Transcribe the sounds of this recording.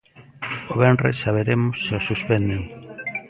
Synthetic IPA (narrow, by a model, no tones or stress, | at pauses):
oβɛnrḛsaβ̞eɾemʊsːeosuspend̪eŋ